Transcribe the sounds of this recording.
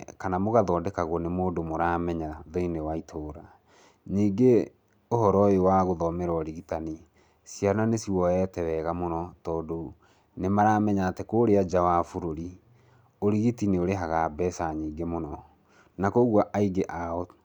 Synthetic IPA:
kanamoɣaðɔːdɛkaɣwɔnemoːdomoɾaːmɛɲaðɔinewaitʰoːɾa | niːŋɡe | oɦɔɾɔjewaɣoðɔmeɾɔɔɾiɣitani | siananesiwɔɛtɛwɛɣamonɔtɔːdo | nemaɾaːmɛɲaːtekoːɾead͡ʒawafuɾoɾi | oɾiɣitineoɾeɦaɣabɛsaɲiːŋɡemonɔ | nakoɣwaʔaiɡeʔaɔ

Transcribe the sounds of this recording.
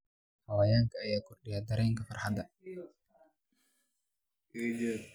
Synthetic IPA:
hɐwaːjaːŋkʰɐːjaːkʰɔrɗɪjaːd̪ɐɾɛːŋkʰɐfɐrħɑd̪ɐ

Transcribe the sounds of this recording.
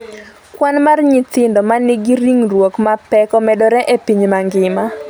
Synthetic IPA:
kwanmarɲitɪndɔmanɪɡiɾiŋrwokmapɛkɔmɛdɔɾɛʔepiɲmaŋɡɪma

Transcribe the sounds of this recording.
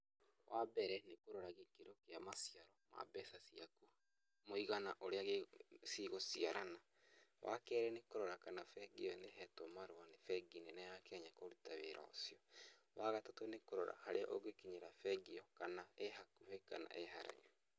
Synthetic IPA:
wʔabɛɾɛnekoɾoɾaɣekeɾokeamasiaɾɔma̰bɛsasiaku | moiɣanaʔoɾeaɣesiɣosiaɾana | wʔa̰kɛɾɛnekoɾɔɾakanafɛɡeɔneɦɛtomaɾowanefɛɡinenajakɛɲakoɾutaweɾʔa̰o̰siɔ | waɣatatonekoɾɔɾa̰haɾeaʔoɡekiɲeɾafɛɡeɔkanaehakuhɛkana̰ʔeɦaɾa̰ɲo

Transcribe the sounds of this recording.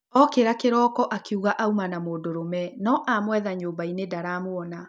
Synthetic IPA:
ɔkeɾakeɾɔːkɔʔakʰeuɣaʔaumanamoːdoɾomɛnɔʔamwɛðaɲoːbainedaɾaːmwɔna

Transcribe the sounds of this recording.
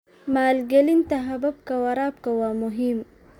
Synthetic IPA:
maːlɡɐlint̪aɦabab̚kawaɾaːp̚kawamʊɦim

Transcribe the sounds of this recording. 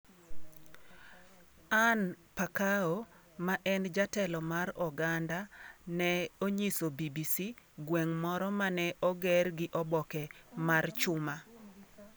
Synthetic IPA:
an | pakao | maʔɛnd͡ʒatɛlɔmaɾɔɡandanɛoɲisobibisiɡwɛŋmɔɾɔmanɛʔɔɡɛrɡɪʔɔbɔkɛmart͡ʃʊma

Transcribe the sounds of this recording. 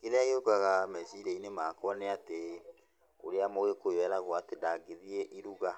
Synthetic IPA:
keɾeaɣeokaɣamɛziɾɛinemakɔneate | o̰ɾeamoɣekojwɛɾaɣwaatedaːɡeðieʔiɾuɣa

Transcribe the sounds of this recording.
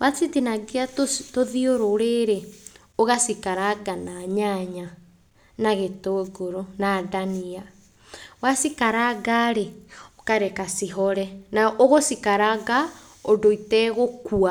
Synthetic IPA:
wat͡sitinaɡeatoðioɾoɾeɾe | oɣasikaɾaɡanaɲaɲa | naɣetoɡoɾonadania | wasikaɾaɡaɾeokaɾɛkasiɦɔɾɛnaʔoɣosikaɾaɡa | odoitɛɣokua

